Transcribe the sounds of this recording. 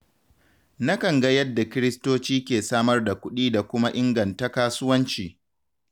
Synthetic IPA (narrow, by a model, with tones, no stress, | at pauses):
na˦kɐ˨ŋɡa˦jɐ˦dːa˨kʲɪ˦ɾɪ˦stoː˦t͡ʃiː˦kʲeː˨saː˦mɐ˦rda˨kʷʊ˦ɗiː˦da˨kʷʊ˦ma˦ʔɪ˦ŋɡɐ˨nta˦kaː˦sʊ˦wɐ˦nt͡ʃiː˨